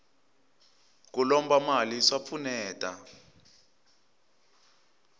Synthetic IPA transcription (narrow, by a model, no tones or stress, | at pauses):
k̬ulɔmbamalisap̪fʰunɛːtʼa